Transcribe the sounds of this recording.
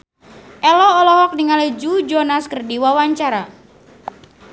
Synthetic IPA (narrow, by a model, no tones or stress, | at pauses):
ʔɛlɔːlɔɦɔk̚niŋaled͡ʒud͡ʒɔnaskərdiwawaɲt͡ʃaɾa